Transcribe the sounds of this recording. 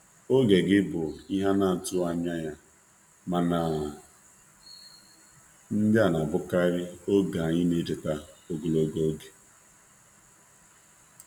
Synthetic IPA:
o˦ɡe˨ɡɪ˦bʊ˨i˦ɦa˦na˨n̩˨tʊ˦a˨ɲa˦ja˦ | ma˨na˨ | n̩˦da˦˨na˨bʊ˦ka˦ɾɪ˦o˦ɡa˨ɲɪ˦ne˦d͡ʒe˨ta˦o˦ɡo˨lo˦ɡo˦o˦ɡe̥˨

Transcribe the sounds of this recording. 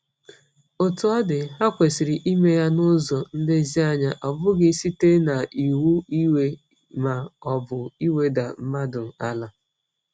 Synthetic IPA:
o˨tʊ˨˦ɔ˦dɪ˨ɦa˦kʷe˨si˨ɾi˨ʔi˦me˦ja˦nʊ˦zɔ˨n̩˦de˦zi˦a˦ɲa˦ʔɔ˨bʊ˦ɡɪ˦si˦te˦na˨i˨wu˦i˦we˦ | ma˨ɔ˨bʊ˨i˦we˦da˨m̩˦ma˦dʊ˨a˦la˦

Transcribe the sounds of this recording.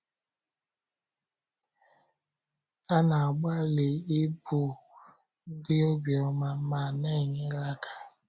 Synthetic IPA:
a˦na˨a˨ɡ͡ba˦le˨i˦bu˨ | n̩˦dɪ˦o˦ɡjɔ˦ma˦ma˨ne˦˨ɲɪ˦la˦kʰḁ˨

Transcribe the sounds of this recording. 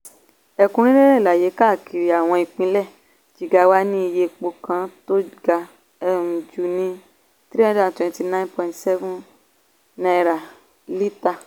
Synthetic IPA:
ɛ˧kũ˧˦ɾ̃ĩ˦e˦ɾɛ̃˦i˨la˨je˨˦ka˦˨kʰi˨ɾi˨a˨w̃ɔ̃˧i˨k͡pĩ˧˦lɛ˦˨ | d͡ʒi˨ɡa˨˧wa˦nĩ˦i˧je˧k͡po˧kã˧to˦ɡa˧ | ɛ˧ɾũ˨d͡ʒu˨˦nĩ˦ | t̪ɾi˦ã˦da˦˨twɛ̃˧nti˧˨nã˦npɔ˧ĩ˨tsɛ˦vũ˦ | nã˧ɾa˨ | li˦ta˧

